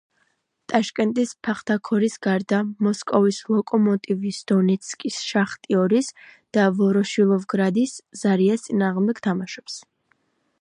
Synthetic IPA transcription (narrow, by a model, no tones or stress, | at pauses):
t̪ʼaʃkʼɛnt̪ʼispʰaχt̪ʰakʰɔɾisɡaɾd̪amɔskʼɔvislˠɔkʼɔmɔt̪ʼivisd̪̥ɔnɛt̪sʰkʼisʃaχt̪ʼiɔɾis | d̪̥avɔɾɔʃilˠɔvɡɾad̪isz̥aɾiast̪sʼinaːʁmd̪ɛkt̪ʰamaʃɔ̥ps